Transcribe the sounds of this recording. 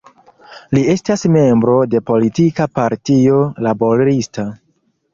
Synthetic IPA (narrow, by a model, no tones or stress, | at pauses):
lie̞stasme̞mbɾo̞de̞po̞litikapaɾtio̞labo̞ɾista